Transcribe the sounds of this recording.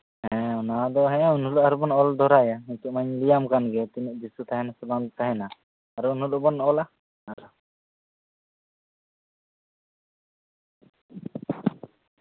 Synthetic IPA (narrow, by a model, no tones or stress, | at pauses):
ɦɛ̃ɔnad̪ɔɦɛ̃aunɦulɔʔaɾubɔnɔld̪ɔɾajaiɲt̪uʔmaɲlijamkanɡɛt̪iniʔ̚bisut̪aɦɛnasɔband̪ɔt̪aɦɛnaː | ɾuunɦulɔbɔnɔla | aɾa